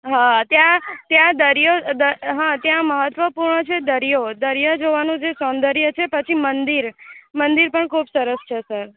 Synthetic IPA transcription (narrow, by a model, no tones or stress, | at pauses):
ɦãt̪jãt̪jãd̪əɾjod̪əɦãt̪jãməɦət̪ːʋəpuɾɳət͡ʃʰed̪əɾijod̪əɾjad͡ʒoʋanũd͡ʒesɔ̃nd̪əɾjət͡ʃʰepət͡ʃʰimənd̪iɾmənd̪iɾpəɳkʰubsəɾəst͡ʃʰesəɾ